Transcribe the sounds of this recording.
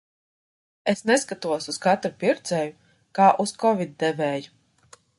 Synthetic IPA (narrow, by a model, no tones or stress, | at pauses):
esnɛskat̪uɔsuskat̪ɾupʲiɾt̪sɛju | kaːʔuskɔvʲid̪̚d̪ɛvɛːju